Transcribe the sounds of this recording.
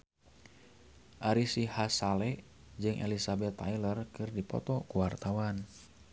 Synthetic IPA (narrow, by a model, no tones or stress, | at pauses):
ʔaɾisihasalɛ | d͡ʒɨŋʔɛ̰lisabɛt̪ːa̰jlərkɨrdipɔ̰t̪ɔkuwart̪awan